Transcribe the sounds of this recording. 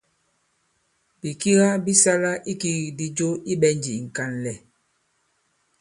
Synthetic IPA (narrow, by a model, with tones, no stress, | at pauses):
b̥i˨ki˦ɣa˦bi˦sa˦la˦ʔi˦ki˦ɣi˨di˦d͡ʒo˦i˦ɓɛ˦nd͡ʒi˨ŋ̩˨ka˦nlɛ˨